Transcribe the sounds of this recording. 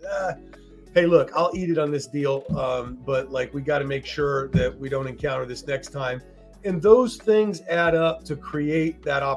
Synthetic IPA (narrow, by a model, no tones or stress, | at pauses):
ʌ | heɪlʊkaɪlˠiɾɨɾn̩ðɪsd̥ilˠʌ̃mbʌt̚laɪkwiɡɑɾɨmeɪkʃʊɹðɨt̚wiɾõʊ̃ntɨ̃nkʰãʊ̃ɾ̃ə˞ðɪsnɛkstʰãɪ̃m | ɨ̃nðoʊz̥θɪ̃ŋzæɾʌp̚tʰɨkʰɹ̥ieɪt̪̚ðɨɾɑ